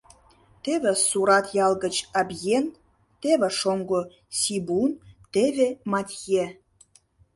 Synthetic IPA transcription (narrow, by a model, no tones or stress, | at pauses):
t̪eβĕsuɾɑt̪jɑlˠɣət͡ɕɑbjen | t̪eβĕʃoŋɡo | sʲibunt̪eβemɑt̪ʲje